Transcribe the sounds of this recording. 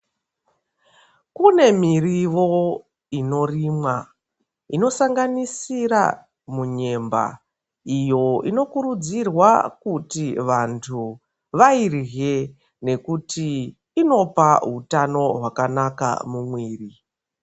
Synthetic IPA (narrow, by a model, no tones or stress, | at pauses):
kune̞miriʋo̞ | ino̞riːmwa | ino̞saŋɡanisira̰ | muɲe̞mba̰ | ijo̞ino̞kuɾud͡zirwakutiʋantʰu | ʋairɣe | ne̞kutiː | no̞paɦutano̞ɦwakanaka̰mumwiːri